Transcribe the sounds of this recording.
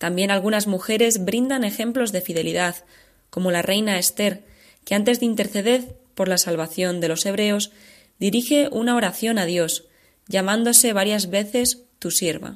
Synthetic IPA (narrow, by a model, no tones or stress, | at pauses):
t̪ambje̞nalɣ̞unazmuxe̞ɾe̞zβɾind̪ane̞xe̞mplo̞zðe̞fið̞e̞liðað | ko̞mo̞larʔe̞jnae̞st̪e̞ɾ | ke̞ant̪e̞zðeint̪e̞ɾθe̞ðe̞θpo̞ɾlasalβaθjo̞nd̪e̞lo̞se̞β̞ɾe̞o̞z | d̪iɾixe̞ʔunao̞ɾaθjo̞nað̞jo̞s | ʝamãnd̪o̞se̞β̞aɾjazβe̞θe̞st̪useɾβa̰